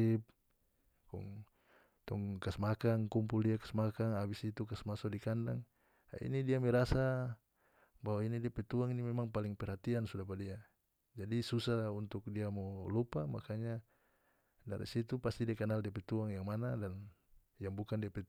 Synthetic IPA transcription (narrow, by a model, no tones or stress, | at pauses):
p̚ | kɔ̰ŋ | t̪ɔŋkasmakaŋkumpuldiakḁsmakaŋabisit̪ukasmasɔdikandaŋ | a̰ḭnidiamɛɾasa | bawainidiapɛt̪uaŋinimɛmaŋpaliŋpɛɾhat̪iansudapadia | d͡ʒadisusaunt̪uk̚diamɔlupamakaɲa | da̰ɾḭsit̪upast̪idiakanaldiapɛt̪uaŋjaŋmanadan | jaŋbukandiapɛ